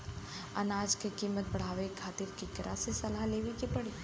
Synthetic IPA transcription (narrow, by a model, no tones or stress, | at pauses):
ɐ̰naːd͡ʒkekiːmət̪̚bɐɽ̤aːʋekʰaːt̪iɾkikɐɾasesɐlaɦleːʋikepɐɽiː